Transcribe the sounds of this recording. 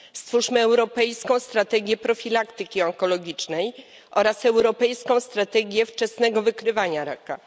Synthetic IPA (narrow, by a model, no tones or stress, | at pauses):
st̪fuʂmɘɛwɾɔpɛjskɔ̃w̃st̪ɾat̪ɛɡʲjɛpɾɔfʲilakt̪ɘkʲiɔŋkɔlɔɡʲit͡ʂnɛj | ʔɔɾasɛwɾɔpɛjskɔ̃w̃st̪ɾat̪ɛɡʲjɛft͡ʂɛsnɛɡɔvɘkɾɘvaɲaɾa̰ka̰